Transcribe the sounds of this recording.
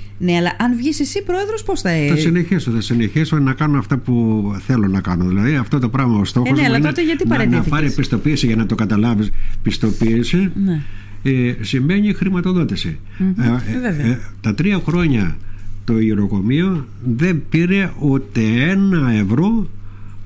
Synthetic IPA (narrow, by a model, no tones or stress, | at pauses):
neɐlɐʔɐnvʝisisipɾo̞eðɾosposθɐθɐsine̞çisoθɐsine̞çisonɐkɐnonɐft̪ɐpuθe̞lo̞nɐkɐnoðilɐðiɐft̪ot̪o̞pɾɐɣmɐost̪o̞xoznet̪eʝɐt̪inɐnɐpɐɾipist̪o̞piːsiʝɐnɐt̪o̞kɐt̪ɐlɐvispist̪o̞piːsin | simme̞ɲixɾimɐt̪o̞ðo̞t̪isḭ | vevt̪ɐt̪ɾiɐxɾo̞ɲɐt̪o̞iɾo̞ko̞mio̞ | ðe̞mpiɾe̞ut̪e̞e̞nɐe̞vɾo̞